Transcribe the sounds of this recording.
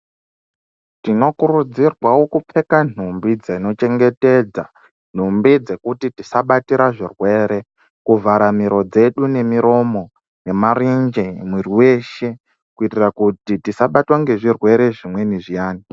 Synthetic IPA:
tino̞kuɾud͡zirwawo̞kup͡fe̞kan̤umbid͡zaino̞t͡ʃe̞ŋɡe̞te̞ːd͡za̰ | n̥̤umbid͡ze̞kutitisaɓatiɾaʐirwe̞ːɾe̞ | kuvaɾamiɾo̞d͡ze̞ɗune̞miɾo̞mo̞ | je̞marind͡ʒemwiriwe̞ʃe̞ | kuitirakutitisaɓatwaŋɡe̞ʐirwe̞ɾe̞ʐimwe̞niʐijaːni

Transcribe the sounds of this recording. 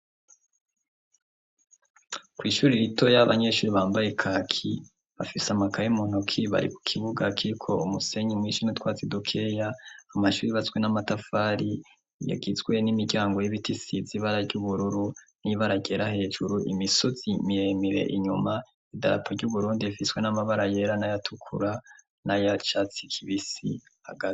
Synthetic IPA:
kwiːʃuːɾiɾito̞jaβa̰ɲe̞ʃuːɾiβaːmbajekʰaːkʰi | βafisamakʰajimun̥ukʰiβa̰ɾḭku̥kʰiβuɡakiɾikʰo̞umuse̞ɲimwiʃinutwaːt͡sidokʰe̞jaːmaʃuːɾiβat͡swe̞namatafaɾi | ja̰ɡizɡwe̞nimiɟaːŋɡo̞jiβitisiziβaɾaɟuβuɾuɾuniβaɾaɟe̞ɾahe̞ːd͡ʒuɾuʔḭmisoz̥imijemiɾe̞̰ʔiɲuma | ida̰ɾa̰pʰoɾɟuβuɾuːndiifiswe̞namaβaɾaje̞ɾanajatʰukʰṵɾa | najat͡ʃat͡si̥kʰiβisḭ | a̰ɡat

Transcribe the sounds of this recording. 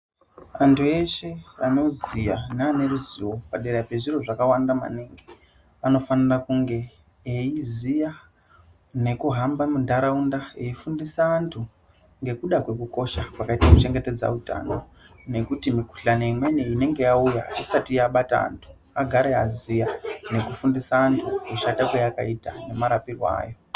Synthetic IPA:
antʰue̞ʃe̞ano̞zijaneane̞ɾuziwo̞paɗeɾape̞ʐiro̞ʐakawandama̰niːŋɡe | ano̞fanirakuŋɡe̞ | eizija | ne̞kuɦambamundaɾaundaeifundisaːntʰu | ŋɡe̞kuɗakwe̞kuko̞ʃakwakaitakut͡ʃe̞ŋɡe̞te̞d͡za̰uta̰no | ne̞kutimiku̥ɬaneimwe̞niine̞ŋɡe̞jauja̰isatijaɓata̰a̰ntʰu̥ | aɡʱaɾeazijane̞kufundisaːntʰukuʃatakwejaka̰itane̞maɾapirwa̰ːjo̞

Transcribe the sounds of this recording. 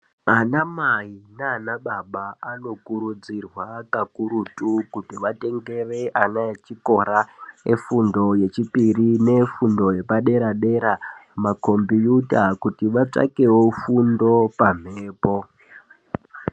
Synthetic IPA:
anamaineanaɓaɓaːno̞kuɾud͡zirwakakuɾutukutiʋate̞ŋɡe̞reʔanaet͡ʃiko̞ɾaefundo̞je̞t͡ʃipirine̞fundo̞je̞paɗe̞ɾaɗe̞ɾamako̞mbijutakutiʋat͡ʂa̰ke̞wofundo̞pam̤eːpo̞

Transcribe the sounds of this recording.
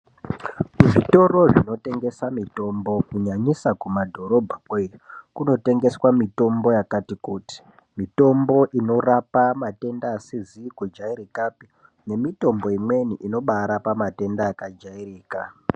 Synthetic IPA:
uʐito̞ro̞ʐino̞te̞ŋɡe̞samito̞mbo̞kuɲaɲisakumadʱo̞ɾo̞bʱakwoirikuno̞te̞ŋɡe̞swamito̞mbo̞jakatikuːti̥ | mito̞mbo̞ʔino̞rapamate̞ndaːsizikud͡ʒaiɾikapi | ne̞mito̞mbo̞imwe̞niʔino̞ɓaɾapamate̞ndaːkad͡ʒairiːka

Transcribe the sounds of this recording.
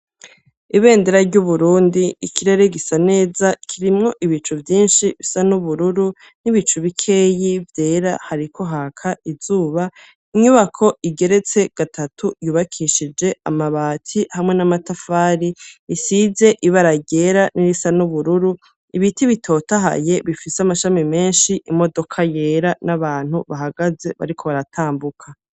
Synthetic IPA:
iβe̞ːndeɾaɾɟuβuɾuːndiikʰiɾe̞ɾe̞ɡisane̞ːzakʰiɾimŋo̞ʔiβit͡ʃuvjiːnʃiβisanuβuɾuɾu | niβit͡ʃuβikʰe̞jivje̞ːɾahaɾikʰo̞ɦaːkʰaiz̥uːβa | iɲuβakʰo̞ʔiɡe̞ɾe̞t͡se̞ɡ̥atʰatʰujuːβakʰiʃid͡ʒe̞a̰maβaːtʰihamŋe̞namatafaːɾiisize̞ʔiβaɾaɟe̞ɾaniɾisanuβuɾuɾu | iβitiβitʰo̞taɦa̰je̞βifiseamaʃamime̞ːnʃiʔimo̞do̞kʰaje̞ːɾanaβaːn̥huβaɦaɡaze̞βa̰ɾikʰo̞βaɾatʰaːmbukʰa

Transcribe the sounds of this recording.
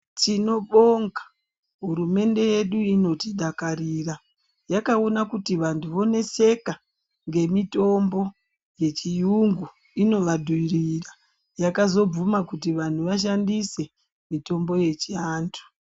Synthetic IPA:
t͡ʃino̞ɓoŋɡḁ | ɦuɾume̞nde̞je̞ɗuino̞tiɗakariːra | jakaonakutiʋantʰuʋo̞ne̞se̞ka | ŋɡe̞mito̞mbo̞ | je̞t͡ʃijuŋɡu | ino̞ʋadʱuirira | jakazo̞b͡vumakutiʋan̤uʋaʃ̬andise̞ | mito̞mbo̞je̞t͡ʃiaːntʰu̥

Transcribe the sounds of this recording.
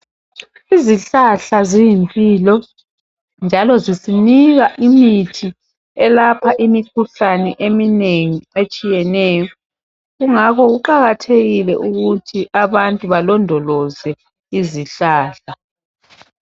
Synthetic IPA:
iziɬaɬazijimpʼiːlɔ | nd͡ʒʱalɔzisiniɣaʔimitʰi | ɛlapʰaʔimikʰuɬanɛʔemineŋiet͡ʃʼijɛnɛːjɔ | ɣuŋakɔɣuǃaɣatʰeɣilɛ̰ʔuɣutʰiʔaβantʼuβalɔndʱɔlɔzɛ | iziɬaːɬa

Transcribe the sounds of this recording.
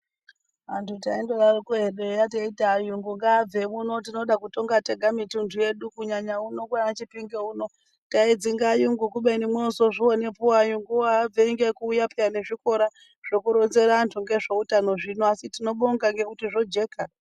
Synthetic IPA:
ʋantʰutaindoɾarukoɦeɗejateitajuŋɡuŋɡaːb͡vemuno̞tino̞ɗakuto̞ŋɡate̞ɡʱamitundʱuje̞ɗukuɲaɲauno̞kwanat͡ʃipiŋɡeuno̞ | taid͡ziŋɡajuŋɡukuɓenimweoso̞ʐione̞puwajuŋɡuwaːb͡veiŋɡekuːjapejane̞ʐiko̞ɾa | ʐ̥o̞kuɾo̞nze̞ɾantʰuŋɡe̞ʐo̞utano̞ʐinoasitino̞ɓoŋɡaŋɡe̞kutiʐo̞d͡ʒe̞ːka

